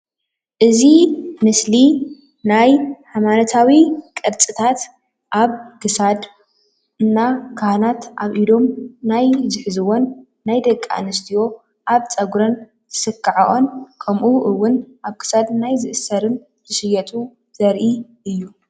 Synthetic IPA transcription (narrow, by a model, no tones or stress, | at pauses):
ʔɨzimɨsli | najʕajmanɐt̪ʰawikʼɐɾt͡sʼɨt̪ʰat̪ | ʔaβkʰɨsad̪ | ɨnːakʰahnat̪ʔaβʔid̪o̞mnajzɨħzɨwo̞nː | ajd̪ɐkʼːa̰nɨst̪ʰijo̞ | ʔaβt͡sʼɐɡɾɐn | zʰɨ̥sɨkʰːɐʕaʔo̞nkʰɐmʔuʔɨwːʊnʔaβkʰɨ̥sad̪najzɨʔɨsːɐɾɨn | zɨʃɨjɐt̪ʼu | z̥ɐɾʔiʔɨjːu